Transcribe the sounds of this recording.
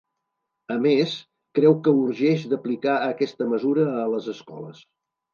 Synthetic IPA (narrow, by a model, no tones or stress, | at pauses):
əmes | kɾɛwkəuɾʒɛʃd̪əplikaəkɛst̪əməzuɾəːləzəskɔ̰lə̰s